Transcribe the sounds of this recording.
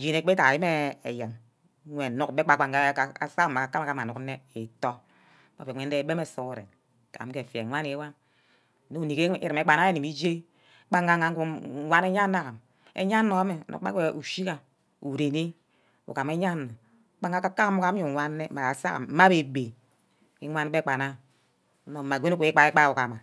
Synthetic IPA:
d͡ʒi˦˨ne˨˦k͡pe˦ta˨a˨ji˦me˦e˨ja˨m˦ | ŋʷe˨nu˦kbe˦k͡pa˨k͡pa˨ŋɡa˦a˨sa˦k̩ː˨a˨a˨ka˦ma˨ka˦ma˨nu˨k̩˦ne˦e˨to˦ | k͡pa̰˨fe˨ŋʷe˨˦n̩˦de˦be˦me˨so˦ku˦˨ɾḛ˨n˨ | ka̰˨m˦ke˨fe˨ŋʷa˦ne˨˦wa˦n˨ | no˦u˨ni˨ke˦ḭ˦ɾi˨me˨˦k͡pa˨na˦e˦ni˨mi˦d͡ʒe˦ | k͡pa˦ŋɡa˨ŋa˨˦u˦a˦ne˦ɲa˦nːa˦ka˨m | ḛ˦ɲa˦nːo˨a˦me˨no̰˨˦a˦ke˨u˨ʃi˦ka˨ | u˨ɾe˨ni˦ | ṵ˨ka˨me˦ɲa˦nːo˨˦ | k͡pa˦ŋa˦ka˦ka˦mu˦ka˦ɲu˨ŋʷa˦nː˦e˦ma˨a˨sa̰˦˨˦ma˦be˨be˨ | ki˦ŋʷa˦n˦be˦k͡pa˨na˦ | no˨ma˨ɡʷe˦no˦kʷe˨˦i˦k͡pa˦e˦k͡pa˦˨u˨ka˨ma˨

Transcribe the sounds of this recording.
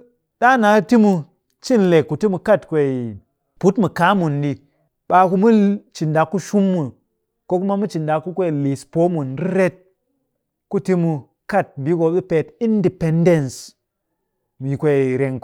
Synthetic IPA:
ɗa˦na˨˦ti˦mu˧ | t͡ʃi˦˨nle˨kːu˨ti˦mu˧ka˦˨tkʷe˨i˨ | pu˨˦tmu˨ka˦mu˨ndi˧ | ɓa˧ku˧mu˦t͡ʃi˨nda˨kːu˦ʃu˦mːu˨ | ko˦ku˦ma˦mu˦t͡ʃi˨nda˨kːu˦kʷe˦˨li˨spo˦mu˨nɾi˦ɾe˦t̚ | ku˦ti˦mu˧ | ka˦˨t̚bi˨˦ko˧ɓi˦pe˨ti˦ndi˨pe˦nde˦˨ns | mi˨kʷe˨ɾe˨ŋ

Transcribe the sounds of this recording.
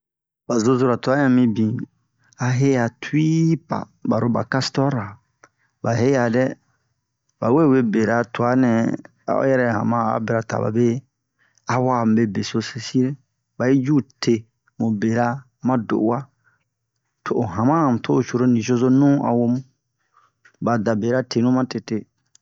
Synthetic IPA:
ba˨zo˦zo˦˨ɾa˨tu˨a˦ã˨mĩ˦bĩ˨ | a˨ɦe˦ja˨tʰu˦i˦pa̰˨ | ba˨ɾo˦ba̰˨ka˦stɔ˦ɾa˨ | ba˨ɦe˦ja˨dɛ˦ | ba˨we˦˨we˦be˨ɾa˨tu˨a˨˦nɛ̃˨ | a̰˦o̰˦jɛ˦ɾɛ˦˨hã̰˨mã˦a̰˨be˦ɾa˨ta̰˨ba̰˨be˦ | a˦wa˦˨m˨be˦be˨so˦se˧si˦ɾe˦ | ba˨ji˦d͡ʒu˦˨tʰe˨ | mũ˨be˨ɾa˦ | mã˦do̰˨ʔwa˦ | tʰo˨ʔo˨ɦã˨mã˦˨m˨tʰo˦o˨t͡ʃo˨ɾo˦nĩ˨so˦so˦nũ˦a̰˨wo˧mũ˦ | ba˨da˨be˨ɾa˦tʰe˨nũ˦mã˦te˨te˦

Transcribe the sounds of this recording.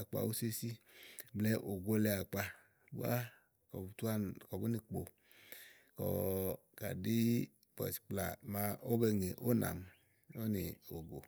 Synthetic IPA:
a˨k͡pa̰˨o˦se˦si˦blɛ˦ʔo˨ɡo˦lɛ˧a˨k͡pa˧ | ba˦ | kɔ˨btu˦a˦kɔ˨bu˦ni˨k͡po˨ | kɔ̰˨ | ka̰˨di˦ | bɔ̰˨si̥˨k͡pla˨ma˨˦o˦bɛ˧ŋe˨ʔo˦na̰˨m | o˦ni˨o˨ɡo˨

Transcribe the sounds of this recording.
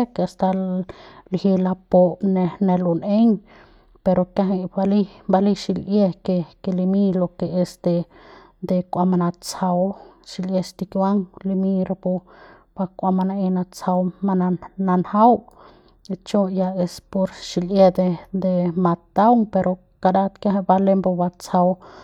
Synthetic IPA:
e˦ke˧a˧st̪a˧ | lhi˧la˧po˧ne˧ne˧lo˨ne˦ŋ | pe˧ɾo˧kja˧ɦi˧ba˧li˦mba˧li˦˧ʃi˧lʔje˧ke˧ke˧li˧mi˦lo˧ke˧e˧sd̪e˧ | d̪e˧kʷa˧ma˧na˧t͡sa˧wʃi˧lʔje˧st̪i˧kʲwa˦ŋli˧mĩ˧ɾa˧po˧ | b̥a˧kʷa˧ma˧na˧e˧na˧t͡sa˧wma˧na˧na˧nha˦w | t͡ʃo˦ja˧e˧spo˧ɾʃi˧lʔje˦d̪e˧d̪e˨ma˧t̪a˦wŋpe˧ɾʔo˧ | ka˧ɾa˦t̪kja˦ɦe˧ba˧le˦mbo˧ba˧t͡sa˧w

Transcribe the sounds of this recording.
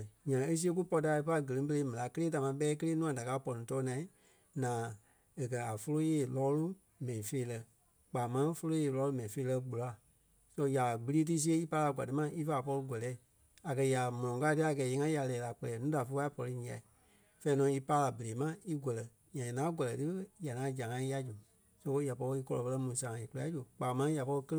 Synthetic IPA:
ɲã˨e˦s̬i˦e˦k̬u˦pɔ˧ta˧˦e˧pa˧˦˧ɡə˨lĩ˨˦bə˧e˧˦mɛ̃˨la˨˧˦kə˦leː˦t̬a˨mã˧˦ɓɛː˦k̬ə˦leː˦nũ˦ã˨da˨kaː˧˦˨pɔ˧nĩ˨˦tɔː˧˦nã˨ĩ˦ | nãː˨ | e˨kɜ˨a˨fo˧lo˦jeː˧˦˨lɔː˦lu˦ | mɛ̃˨ĩ˨feː˧˦lɜ˧ | k͡paː˨mã˦fo˧lo˦jeː˧˨lɔː˧˦lu˦mɛ̃˨ĩ˨feː˦˧lɜ˧ɡ͡bu˨la˨˦˨ | sɔ˧ja˨ɡ͡bɨ˧˦iː˦t̬i˦s̬i˦e˦i˦pa˧˦a˧˨ɡʷa̰˨dɨ˨˦mã˧i˦fa˦˨pɔ˧lu˧ɡʷɛ˨lɛː˨˦˨ | a˨kɜ˧ja˨mɔ̃˨l̃ɔ̃˨ka˧˦tɨ˦a˨ɡɛ˨˦je˨˧˦ŋã˦ja˨lɛː˨la˨k͡pɜ˧lɛː˨˦nũː˨˦da˨fə˧˦a˧˦i˦pɔ˧lɨ˧ɲĩ˨a̰˨i˨ | fɛ˧˦nɔ̃˧˦i˧pa˧˦la˨bə˨e˨˦mã˦i˦ɡʷɛ˨lɛ˨ | ɲã˨a˨nãː˦ɡʷɔ˨lɛ˨tɨ˦ja˨nãː˨˦d͡ʒa˨ŋã˨˦i˦a˧d͡ʒu˨ | sɔ̃˧˦ko˧˦ja˨pɔ˧ɾi˧kɔ˧lɔ˧pə˧lɜ˧˦mũ˨sã˨ŋã˨i˨ku˦la˨˦d͡ʒu˨k͡paː˨˦mã˧˦ja˨pɔ˧lɨ˧kə˦l

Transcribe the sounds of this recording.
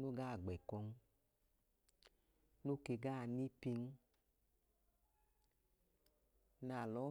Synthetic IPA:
no˦ɡa˦˨ɡ͡bɛ˨kɔ˧ŋ̩˦ | no˦ke˧ɡa˦˧ni˦pi˧ŋ̩˦ | na˨lɔ˨˦

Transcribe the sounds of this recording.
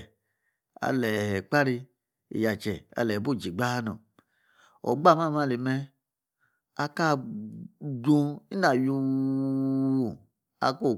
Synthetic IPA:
a̰˨lɛ˨hɛ˨k͡pa˦ɾi˧ | ḭ˨ja˨t͡ʃɛ˨a̰˨lɛ˨bu˦˨d͡ʒi˨ɡ͡ba˦a˦nṵ˨ | o̰˨ɡ͡ba˦˨ma˦˨ma˦˨li˨mɛ˦ | a˧ka˦˨ | dũ˧i˦na˨ju˧˦˨ | a̰˧ko˦˨

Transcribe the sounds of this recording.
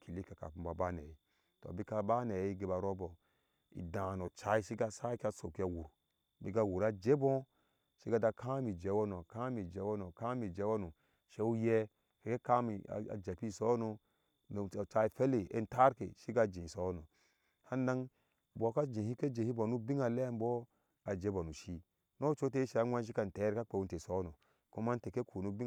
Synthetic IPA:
ki˨li˦ka˨ka̰˨pũ˨ba˨ba˦nḛ˨ji˨ | to̰˨bi˦ka˨ba˦ne˨i˦ɡe˨ba˨ɾo˦bo˨ | ḭ˨dã˨no˨t͡ʃa˨i˦ʃi˦ɡa˦sa˦kʲa˦so˨ki˦a˨wu˨ɾ | bi˦ɡa˦wu˨ɾa˦d͡ʒe˦bɔ̃˦ | ʃi˦ɡa˦da˧kʰa˦mi˨d͡ʒe˨˦wo˦no˨kã˦mi˨d͡ʒe˨˦wo˦no˨ka˦mi˨d͡ʒe˨˦wo˦nu˨ | ʃe˦u˦jɛ˦ | hi˦ke˦ka˦mḭ˨a̰˨d͡ʒa˨pi˦˨so˦no˨ | t͡ʃa˦i˨fe˦le˨ḛ˦n˦ta˦ɾkḛ˨ʃi˦ɡa˨d͡ʒĩ˨so˨˦no˨ | ha˦na˦ŋ | bo˨˦ka˦d͡ʒĩ˨hi˦ke˦d͡ʒe˨hi˦bo˨nu˦bi˦ŋa˨le˦mbo˦ | a˨d͡ʒe˦bo˨nu˨ʃi˦ | no˦t͡ʃo˦t̬e˦i˦ʃe˨a˨˦wʷa˦ʃ̬i˦ka˨n˨te˨˦ɾka˦k͡pe˨u˦n˦te˨so˦no˨ | ku˦ma˦n˦te˨ke˦kʰu˨nu˦bi˦

